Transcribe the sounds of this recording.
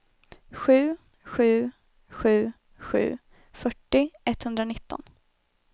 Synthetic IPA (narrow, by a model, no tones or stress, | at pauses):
ɧʉ̟ː | ɧʉ̟ː | ɧʉ̟ː | ɧʉ̟̰ː | fœʈːɪʔɛt̪hɵnd̪ɾanɪt̪ːɔ̰n